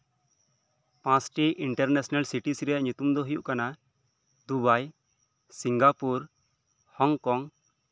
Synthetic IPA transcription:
pãsʈiʔiɳʈəɾnɛsnalsiʈisiɾɛjaʔɲut̪umd̪ɔɦujuʔkana | d̪ubaj | siŋɡapuɾ | hɔŋkɔŋ

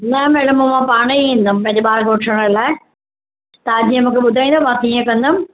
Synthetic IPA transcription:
nɐmɛːɽəmomãpaːɽ̃iĩːnd̪əmpɐ̃ɦɪ̃ɲd͡ʑeɓaːɾɡoːʈʰəɽ̃əlaːɪ | t̪ɐd͡ʑiːə̃mũːkʰeɓʊd̪ʱaĩnd̪omãːt̪iɦə̃kɐ̃nd̪əm̃

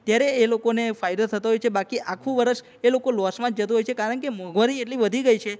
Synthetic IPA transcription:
t̪jaɾeːlokonefajd̪ot̪ʰət̪aɦojt͡ʃʰebakiʔakʰũʋəɾəʃ | elokolɔsmãd͡ʒd͡ʒət̪uɦojt͡ʃʰekaɾəɳkemɔɡʋaɾieʈliʋəd̪ʱiɡəjt͡ʃʰe

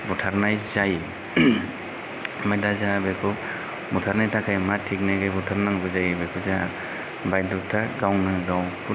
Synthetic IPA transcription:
butʰaɾnajzaj | majdazabekʰu | butʰaɾnajtʰakʰajmatʰːik̚naɡebutʰaɾnaŋbɯzajbekʰuza | bajdɔk̚tʰaɡawnɯɡawpu

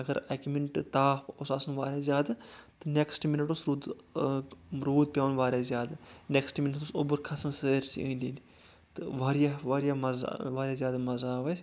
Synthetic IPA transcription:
ɐɡɐɾɐkmiɳʈt̪aːfosɐsɐnʋaːɾʲjaːzʲjaːd̪ɨt̪ɨneksʈminɐʈosɾuːd̪ | ɾuːd̪̚pʲjaːnʋaːɾʲaːzʲjaːd̪aneksʈminɐt̪usobuɾkʰɐsɐnsəːɾsḭə̰̃ːnd̪ʲind̪i | t̪ɨʋaːɾijaʋaːɾijamɐza̰ʋaːɾjaːzjaːd̪amɐzaːʋɐsʲ

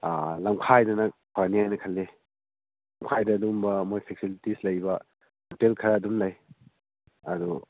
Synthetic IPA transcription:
alamkʰajdɐnɐkʰaɾniajnɐkʰɐlːe | laŋkʰajdɐːdumbɐmojpʰek̚silitislɐjbɐ | ɐtelkʰɐɾaːdumlaj | ɐdu

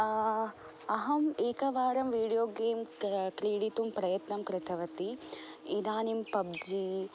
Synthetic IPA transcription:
ɐɦɐmeːkɐʋaːɾɐmʋiːɽijoːɡeːmkɾiːɽit̪umpɾɐjɐt̪nɐmkɾɪt̪ʰɐʋɐt̪iid̪aːnimpɐb̚d͡ʒi

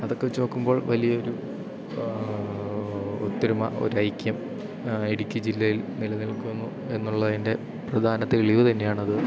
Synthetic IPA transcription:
ɐðo̞kːeʋit͡ɕːoːkːumbo̞ːɭʋɐlijɐoɾu | ot̪ːiɾumɐʔo̞̰ɾuɐjkʲːjɐm | iɽikʲːɨd͡ʑilːɐjilnilɐniɭkunːu | e̞nːuɭːɐðinde̞ | prɐd̪ʱaːnɐt̪ːiɭiʋɨt̪ɐnːe̞jaːɳɐðɨ

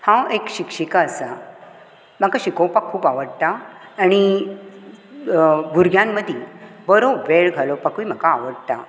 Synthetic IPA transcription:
hãekɕikʂikaəsa | m̤akaɕikopakʰːuːpaʋəɽt̪aːɽ̃i | bʱuɾɡʱjãmːəd̪ʱjibəɾoʋeɭɡʱalɔwpakuim̤akaːʋəɽt̪a̰

